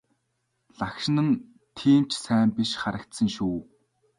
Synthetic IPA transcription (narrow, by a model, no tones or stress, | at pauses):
ɮakʃɪ̆nə̆n | t̪ʰiːmt͡ɕʰsæːmpiʃχaɾə̆kt̪sə̆ŋʃuː